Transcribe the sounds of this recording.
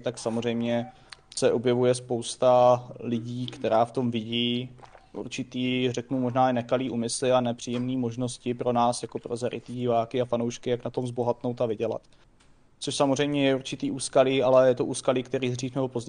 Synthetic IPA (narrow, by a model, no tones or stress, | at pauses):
t̪aksamor̝ɛjmɲɛ | sɛʔo̞bjɛvujɛspowst̪alɪɟiːkt̪ɛɾaːft̪o̞mvɪɟiːʔṵɾt͡ʃɪt̪iːrɛknumo̞ʒnaːɪnɛkaliːʔuːmɪslɪanɛpr̥iːjɛmniːmo̞ʒno̞scɪpɾo̞naːsjako̞pɾo̞zɛɾʔɪ̰t̪iɟɪvaːkɪafanowʃkɪjaknat̪o̞mzbo̞ɦat̪no̞wt̪avɪɟɛla̰t̪ | t͡soʃsamor̝ɛjmɲɛjɛuɾt͡ʃɪt̪iːʔuːskaliːalɛjɛt̪oʔuːskaliːkt̪ɛɾiːzriːxnɛbopozɟ